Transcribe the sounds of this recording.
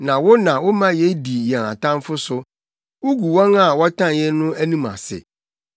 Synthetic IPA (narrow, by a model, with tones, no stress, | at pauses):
nã˨wʊ˦nã˨wʊ˦mã˦jɛ˦di˨jɛ̃˨ã̰˨tʰã˦m˦fʊ˦sʊ˨ | wu˦ɡu˨wɔ̃˦ŋa˨wɔ˦tʰã˦˨jɛ˦nʊ̃˦æ˦nĩ˦mã̰˨sɪ̰˨